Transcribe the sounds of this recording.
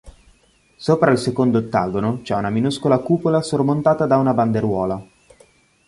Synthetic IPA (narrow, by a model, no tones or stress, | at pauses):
soːpɾailsekond̪ot̪ːa̰ːɡonot͡ʃɛunaminuskolakuːpolasormont̪aːt̪ad̪aunaband̪eɾwɔːla